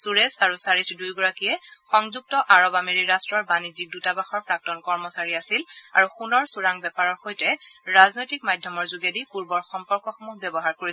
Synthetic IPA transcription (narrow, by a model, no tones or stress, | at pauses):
suɹesaɹusaɹitʰdujɡɔɹakijɛxɔŋzuk̚tɔʔaɹɔbameɹiɹastɹɔɹbanid͡ʒik̚dutabaxɔɹpɹak̚tɔnkɔɹmɔsaɹiasila̰ɹuxunɔɹsuɹaŋbɛpaɹɔɹxojtɛɹaznojtik̚madʱjɔmɔɹzuɡedipuɹbɔɹxɔmpɔɹkɔxɔmukbɛbɔɦaɹkoɹi